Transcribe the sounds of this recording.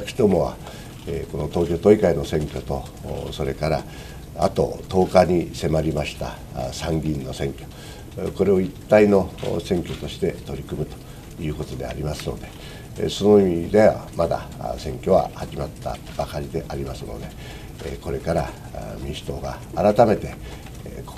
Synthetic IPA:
ki̥t̪omo̞βa̰ | eko̞no̞t̪o̞ːk̬ʲo̞t̪o̞ikaino̞sẽ̞ŋkʲo̞t̪o̞ | so̞ɾe̞kaɾa̰ | a̰t̪o̞̰t̪o̞ːkaɲ̟ise̞maɾʲimaɕi̥t̪a̰ | sãŋɡʲĩnːo̞sẽ̞ŋkʲo̞̥ | ko̞ɾe̞o̞it̪ːainosẽ̞ŋkʲo̞t̪o̞ɕi̥t̪e̞t̪o̞ɾʲikɯ̟mɯ̟t̪o̥ | jɯ̟ːko̞t̪o̞d̪e̞a̰ɾʲimasɨno̞̰d̪e̞ | so̞no̞imʲid̪e̞a̰mad̪a̰sẽ̞ŋkʲo̞βa̰haʑimat̪ːa̰ | b̥akaɾʲid̪e̞ʔaɾʲimasɨno̞̰d̪e̞ | ko̞ɾe̞kaɾa | mʲiɕi̥t̪o̞ːɡaːɾat̪ame̞t̪e̞

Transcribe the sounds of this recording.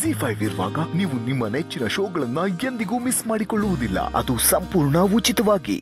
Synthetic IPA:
siːpʰɐjʋiɾʋa̰ːɡɐniːʋunimːɐnet͡ʃːinɐʃoːɡɐɭɐnːɐje̞nd̪iɡuːmismaːɽikoɭːuʋud̪ilːɐ̰ɐ̰d̪usɐmpuːɾɳɐut͡ʃit̪ɐʋaːɡḭ

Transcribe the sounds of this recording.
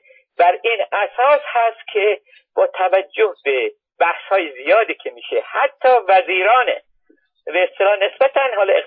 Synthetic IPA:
bæɾiːnæsɒːshæst̪̚cʲʰe | b̥ɒːt̪ʰævæd͡ʒːohbe | b̥æhshɒːjezijɒːd̪iːcʰemiːʃehæt̪ʰːɒːvæziːɾɒːnḛ | beest̪elɒːne̞sbæt̪ʰænɦɒːlɒe

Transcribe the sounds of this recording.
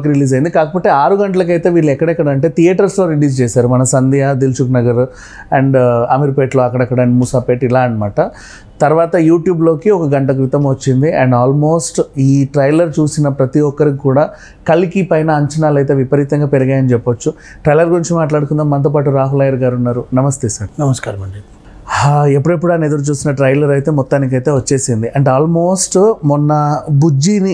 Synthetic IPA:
kɾiliːzɐjind̪ikaːkɐpoːʈːeːaːɾuɡɐɳʈɐlɐk̬ɐjt̪e̞ːʋiːɭːɛkːɐɽɐɛkːɐɽɐːɳʈe̞ːt̪ijɐːʈɐɾslo̞ːɾiliːst͡ʃɛːsaːɾumɐnɐsɐnd̪ijaːd̪ilt͡ʃuknɐɡɐɾu | ɛɳɖɐmiɾpeːʈlo̞ːɐkːɐɽɐkːɐɽɐɳmusaːpeːʈilaːɐnɐmaːʈɐ | t̪ɐɾʋaːt̪ɐjuːʈjuːblo̞ːkiɔkɐɡɐɳʈɐk̬ɾit̪ɐmʋɐt͡ʃːind̪iɛɳɖaːlmo̞ːsʈiːʈɾɐjlɐɾt͡ʃuːsinɐpɾɐt̪iɔkːɐɾikikːuːɽaː | kɐlːikipɐjnɐːɲt͡ʃɐnaːlɐjt̪e̞ːʋipɐɾit̪ɐŋɡaːpeɾiɡaːjɐnit͡ʃɛpːʋɐt͡ʃːu | ʈɾɐjlɐɾɡuɾiɲt͡ʃimaːʈlaːɽuk̪und̪aːmɐnt̪̬opaːʈ̬uɾaːɦulɐːjɐɾɡaːɾunːaːɾunɐmɐst̪eːsaːɾnɐmɐskːɾɐ | epːuɽepːuɽuaːned̪ɐɾut͡ʃuːsinɐʈɾɐjlɐɾɐjt̪e̞ːmɔt̪ːaːnik̬ɐjt̪e̞ːʋɐt͡ʃːe̞ːsind̪iʔɐɳɖaːlmo̞ːsʈmɔnːɐbud͡ʒini

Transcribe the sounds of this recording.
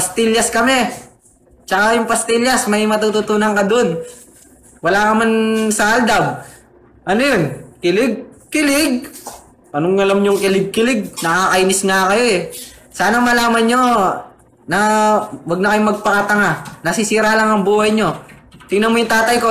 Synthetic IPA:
pɐst̪ɪʎjɐskɐmɛ | t͡ʃɐkajʊŋpɐst̪ɪʎjɐsmɐjmɐt̪ut̪ut̪uːnɐŋkɐd̪oon | wɐlaːkɐmansald̪ab̚ | ʔɐnojonkɪlɪɡ̚kɪlɪɡ̚ | pɐnʊŋɐlamɲʊŋkɪlɪɡ̚kɪlɪɡ̚nɐkakɐinɪsŋakɐjoɛsaːnɐmɐlaːmɐnɲo̞ | nɐwɐɡ̚nɐkɐjomɐɡ̚pɐkɐt̪ɐŋanɐsɪsiːɾalaŋɐŋbuːhɐjɲo̞t̪ɪŋnɐnmojʊŋt̪aːt̪ɐjko̞

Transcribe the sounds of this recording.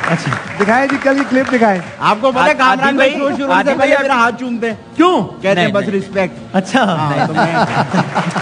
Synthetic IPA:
ɐtːʃʰad̪ɪkʰaːjẽd͡ʒiːkɐlkiklɪp̚d̪ɪkʰaːẽ | aːp̚kopɐt̪aɦkaːmɾaːniʃuʃʊɾusẽbɐiameːɾaɦaːt̪̚t͡ʃuːnt̪̬ẽɛ̃ːkjõːkɛɦt̪ẽbɐsɾɪspek̚ʈɐtːʃʰaɦãːt̪oɛ̃a

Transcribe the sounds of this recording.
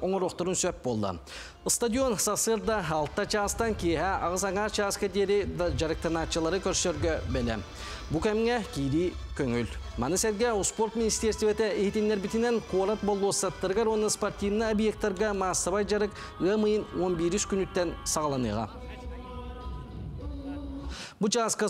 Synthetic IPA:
oŋəɾoqt̪əɾunsøt̪̚bo̞lˠd̪ə̰ | əst̪ad̪ʲijo̞nsɑsɯɾd̪ɑɑlˠt̪ːɑt͡ʃʰɑːst̪ɑŋkʲʰeɦæɑʁəzɑŋɑt͡ʃʰɑskʲad̪eɾd͡ʒɑɾək̚t̪ənɑt͡ʃjalˠɑɾəkʲʰɵɾʃøɾɡʲebɪlḛ | bukʲæmɪŋekʲʰijɾijkʲʰɵŋʏlmɑ̰nɯsæt̪ɡʲeuspo̞rt̪mʲinist̪ʲeɾsʲt̪ivet̪eet̪enːeɾbit̪ineŋkʰoɾat̪̚bolˠuosɑt̪ːəɾɡɑɾwonɨsport̪ʲijvnɨobjek̚t̪ːɑɾɡɑmɑst̪ɑβɑjd͡ʒɑɾɯk | ɣəmɯjɯnwonbiɾyskʲynyt̪ːensɑʁɑlˠɑnɯ̰jʁɑ̰ | but͡ʃʰɑskə

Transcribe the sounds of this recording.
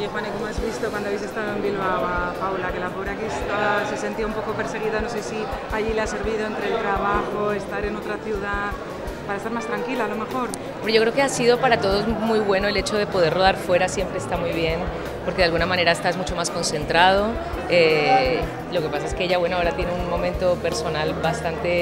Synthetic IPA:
ojexwanikomoazβist̪o̞kwand̪aβjis̬e̞st̪aðoembilβawpawlake̞lapoβɾakiest̪aβase̞se̞nt̪ioumpo̞ko̞pe̞ɾse̞ɣ̞iðano̞s̬esiaʎilease̞ɾβiðoent̪ɾelt̪ɾaβaxo̞e̞st̪aɾe̞no̞t̪ɾaθjuða | paɾaest̪aɾmast̪ɾaŋkilaalo̞me̞xo̞ɾ | ombɾeʝo̞kɾeoke̞asiðo̞paɾat̪o̞ðo̞zmujβwe̞no̞elet͡ʃo̞ð̞e̞po̞ð̞e̞ɾro̞ð̞aɾfwe̞ɾasje̞mpɾeːst̪amujβje̞n | po̞ɾke̞ð̞alɣunamãne̞ɾaest̪azmut͡ʃo̞masko̞nsẽ̞nt̪ɾað̞o̞ | e | lo̞ke̞pas̬ae̞skeeʝaβwe̞noaoɾat̪je̞neunmõ̞mẽnt̪o̞pe̞ɾso̞nalbast̪ant̪e̞

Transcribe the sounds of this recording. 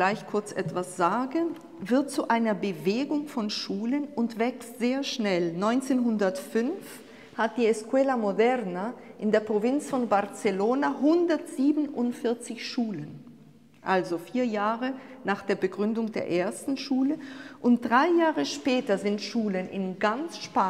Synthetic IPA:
laɪçkʰʊɐt͡sʔɛ̰tv̥asz̥aːɡən | vɪɐt̚t͡suʔaɪnɐbəveːɡʊŋfɔnʃuːlənʊntv̥ɛkstz̥eːɐʃnɛlnɔʏnt͡seːnɦʊndɐtfʏnf | hat̚d̥iːɛskʰwɛːlamodɛʁnaʔɪndeːɐpʁ̥ovɪnt͡sfɔnbaʁt͡səloːnaɦʊndɐtz̥iːbn̩ʔʊntfɪɐt͡sɪçʃuːlən | ʔalzofiːɐjaːʁənaːχd̥eːɐbəɡʁʏndʊŋdḛːɐʔeːɐstn̩ʃuːləʔʊnt̚d̥ʁaɪjaːʁəʃpɛːtɐzɪntʃuːlənɪ̰nɡant͡sʃpa

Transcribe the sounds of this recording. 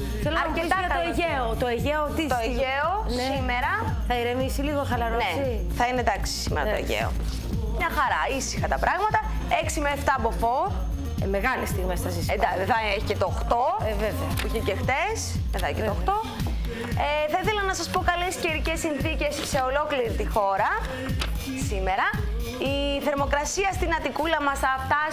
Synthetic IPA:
θeloɐɾet̪ɐɐoeʝeot̪o̞eʝeot̪it̪oeʝeo | simeɾɐ | θɐiɾevisiliɣoxɐlɐɾone | θɐined̪ɐksi̥simeɾɐt̪oḛʝḛo̰ | mɲɐxɐɾɐisi̥xɐt̪ɐpɾɐɣmɐt̪ɐ | eksimeːft̪ɐbofoɾ | me̞ɣɐlist̪iɣmesɐsised̪ɐðɐeçi̥cet̪oxt̪oeveuçecext̪eseðɐeçcet̪ooxt̪o̞ | eθɐiθe̞lɐnɐsɐspo̞kɐlesceɾicesːinθice̞sse̞o̞lo̞kliɾit̪ixo̞ɾɐ | sime̞ɾɐ | iθe̞ɾmo̞kɾɐsiɐst̪inɐt̪ikulɐmɐsɐft̪ɐ

